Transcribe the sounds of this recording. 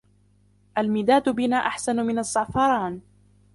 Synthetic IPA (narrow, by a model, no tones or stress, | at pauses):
ʔalmɪːd̪aːt̪ʊbɪnaːʔaħsanʊmɪnasˤːɑʕfɑɾˤɑːn